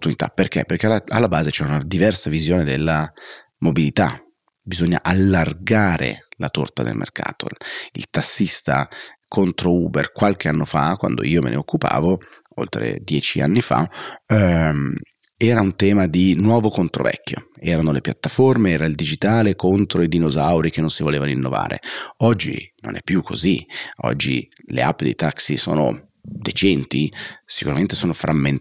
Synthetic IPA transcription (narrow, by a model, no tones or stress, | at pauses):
pt̪ːunit̪a̰perk̟ḛpːerkeaalːabaːzet͡ʃɛɾaunad̪ivɛrsavizjoːned̪elːa | mobilit̪a̰ | bizoɲːa̰ʔalːarɡaːɾḛlat̪o̰rt̪ad̪ḛlmʔḛrkʰa̰ːt̪o̰ḭlt̪asːist̪a̰kʰont̪ɾouːberkwalk̟eanːofa̰kwa̰nd̪o̰iːomḛnʔḛokːupa̰ːvo | o̰lt̪ɾḛd̪jɛːt͡ʃia̰nːifa̰ | ɛːɾaunt̪ɛːmad̪inwɔːvokont̪ɾo̰vɛ̰kːjo̰ɛːɾanolepjat̪ːaformeɛːɾaild̪id͡ʒit̪aːlekont̪ɾoid̪inozawɾik̟enːonsivoleːvaninːova̰ːɾḛɔd͡ʒːḭno̰nʔɛ̰pːjukʰːoziɔ̰d͡ʒːḭlḛapːd̪ḛjt̪aksiso̰ːno̰ | d̪et͡ʃɛnt̪isi̥kuɾament̪esoːnofɾʔamːen